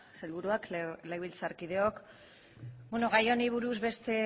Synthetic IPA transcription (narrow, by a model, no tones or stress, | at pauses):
selβuɾuakleɣilt͡saɾkið̞e̞ok | bwenoɣajo̞niβ̞uɾuzβe̞st̪e̞